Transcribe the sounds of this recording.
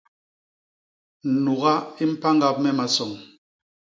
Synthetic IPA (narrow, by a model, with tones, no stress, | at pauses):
n̩˨nu˨ɣa˦i˦m̩˦pa˦ŋɡa˦p̚mɛ˦ma˨sɔ˨ŋ